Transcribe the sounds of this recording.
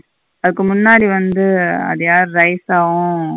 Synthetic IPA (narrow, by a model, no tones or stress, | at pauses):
ɐðɯkːɯmʊnːaːɽiʋɐnd̪ɯɐ̰ðɐjaːɾɯɾɐɪsaːɣʊ̃